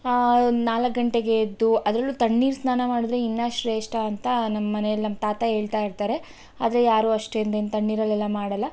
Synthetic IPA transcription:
naːlɐkɡɐɳʈe̞ɡe̞d̪ːuɐd̪ɾɐlːut̪ɐɳːiːɾsnaːnɐmaːɽud̪ɾeinːaʃɾeːʂʈaːnt̪ɐnɐmːɐmɐnejɐlinɐmːɐt̪aːt̪ɐɦe̞ːɭt̪aːjiɾt̪aːɾe̞ | aːd̪ɐɾe̞jaːɾuːɐʂʈeind̪eint̪ɐɳːiːɾɐlːɛlːɐmaːɽɐlːɐ

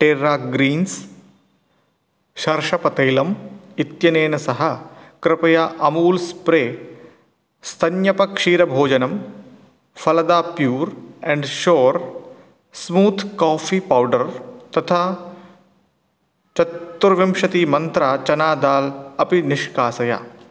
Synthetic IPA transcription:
ʈeːɾaːɡɾiːns | ʃɐɾʃɐpɐt̪ɐjlɐmit̪jɐneːnɐsɐɦɐ̆kɾɪpɐjaːʔɐmuːlspɾeː | st̪ʰɐnjɐpɐkʂiːɾɐbʱoːd͡ʒɐnɐm | fɐlɐd̪aːpjuːɾɛ̃ɳɖʃoːɾ | smuːt̪ʰkaːfiːpawɖɐɾt̪ɐt̪ʰaː | t͡ʃɐt̪ːuɾʋɐmʃɐt̪iːmɐnt̪ɾaːt͡ʃɐnaːd̪aːlɐpinɪʃkaːsɐja̰ː

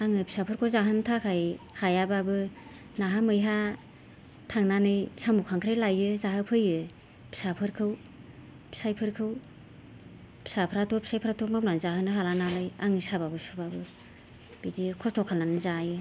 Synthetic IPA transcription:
aŋɯpi̥sapʰɯɾkʰozaɦɯntʰakʰajhajababɯ | naɦamɯjɦa | tʰaŋnanɯjsamukʰaŋkʰɾajlajɯzaɦɯpʰɯjɯ | pʰi̥sapʰɯɾkʰɯw | pʰi̥sajpʰɯɾkʰɯw | pʰi̥sapʰɾatʰɔpʰi̥sajpʰɾatʰɔk̚mapnanzaɦɯnɯɦalanalɯja̰ŋisababɯsubabɯ | b̥idikʰɔstʰɔkʰalnanɯzajɯ

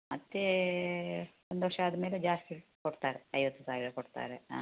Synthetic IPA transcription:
mɐt̪ːe | ond̪oɐʂɐaːd̪ɐmeːled͡ʒaːst̪ikoɽt̪aːɾeɐjʋɐt̪ːusaːɾiɐkoɽt̪a̰ːɾe

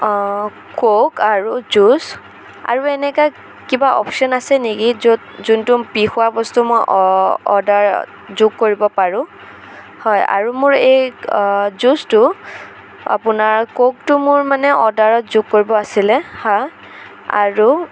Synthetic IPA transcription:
kokaɹuzus | a̰ɹuɛnɛka | kibaɔ̰psɔnasɛnikizotzuntʊpixʊwabɔstumɔjʔɔ̰daɹ | zuɡ̚koɹibɔpaɹʊ̃ | hɔja̰ɹumʊɹej | zustʊ | a̰pʊnaɹkok̚tʊmʊɹmanɛʔɔdaɹɔtzuɡ̚koɹibɔasilɛhɔj | a̰ɹu

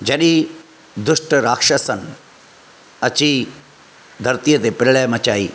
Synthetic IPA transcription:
d͡ʒɐɗi | d̪uʂʈɐɾaːkʂɐsɐn | ɐt͡ʃi | d̪ʱɐɾt̪ijɐt̪epɾɐɭɐjɐmɐt͡ʃaːḭ

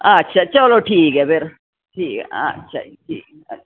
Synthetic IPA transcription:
ɐtːʃʰat͡ʃɐloʈʰiːkɦɛbeɾ | ʈʰiːkɛ̰ɐ̰tːʃʰa̰ʈʰiːk

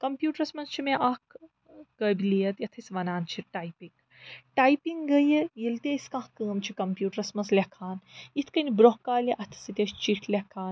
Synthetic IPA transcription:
kɐmpjuːʈɐɾsmɐnst͡ʃʰimẽʔɐk | kəbiliːɐt̪jɐt̪ʰisʲʋɐnaːnt͡ʃʰiʈaːjpiŋɡ | ʈaːjpiŋɡɡəjjilt̪eːsʲkãːɦkəːmt͡ʃʰikɐmpjuːʈɐɾɐsmɐnzlʲekʰaːnit̪ʰkɐnibɾoɦkaːlʲiʔɐt̪ʰsit̪ʲɐʃt͡ʃiʈʰlʲɐkʰaːn

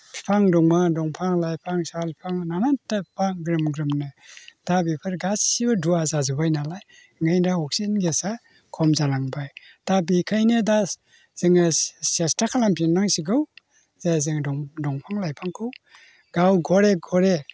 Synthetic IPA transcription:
pʰi̥pʰaŋdɔŋmadɔŋpʰaŋlajpʰaŋsalpipʰaŋnanantapaŋɡɾɯmɡɾɯmnɯd̥abipʰɯɾɡassibaduazazɯbajnalaj | ŋɯjndaɔk̚sinɡesa | kʰɔmzalaŋbaj | d̥abikʰajnɯda | z̥ɯŋɯsestakʰalampʰinaŋsiɡɯw | zazɯŋdɔdɔŋpʰaŋlajpʰaŋkʰɯw | ɡ̥awɡɔɾeɡɔɾe

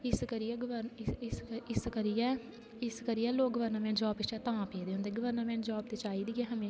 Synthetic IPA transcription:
ɪskəɾiɛɡəʋəɾɪsɪskəɾijɛ | ɪskəɾijɛːloːkɡəʋəɾnəmɛ̃ːnd͡ʒɔːpɪst͡ʃɛːt̪ãːpeːd̪eːõnd̪eːɡəʋəɾnəmɛ̃ːd͡ʒɔːb̚t̪eːt͡ʃaːiːd̪iːkɛːɦəmẽː

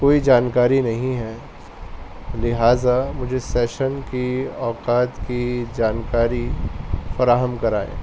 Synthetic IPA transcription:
koːid͡ʒaːnkaːɾinɐɦĩɦɛː | lɪɦaːzamʊd͡ʒʱesɛːʃənkiɔːkaːt̪kid͡ʒaːnkaːɾifɐɾaːɦəmkɐɾaːḛ̃ː

